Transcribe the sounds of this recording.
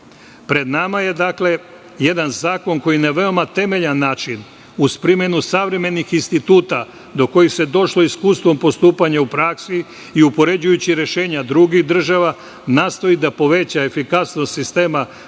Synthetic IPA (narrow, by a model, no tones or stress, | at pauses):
pɾe̞d̪namaje̞d̪akle̞ | je̞d̪anzaːko̞ŋko̞jinaʋe̞o̞mat̪e̞me̞ʎanːaːt͡ʃin | uspɾimenusaʋɾe̞me̞nixinst̪it̪uːt̪a | d̪o̞ko̞jixse̞d̪o̞ʃlo̞iskuːst̪ʋo̞mpo̞st̪uːpaɲaupɾaksi | iupo̞ɾe̞d͡ʑujut͡ɕiɾe̞ʃe̞ːɲad̪ɾuɡiɣd̪r̩ʒaʋa | naːst̪o̞jid̪apo̞ʋe̞t͡ɕaefikasnost̪sist̪e̞ːma